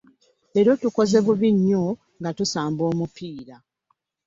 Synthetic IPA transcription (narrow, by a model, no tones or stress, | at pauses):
e̞ɾo̞tuko̞ze̞βuβiɲːo̞ | ŋɡatusaːmbo̞ːmupiːɾa